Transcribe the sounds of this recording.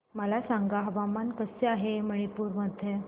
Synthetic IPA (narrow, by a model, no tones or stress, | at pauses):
məlasaŋɡaɦəʋamankəseaɦeməɭ̃ipuːɾməd̪ʱjə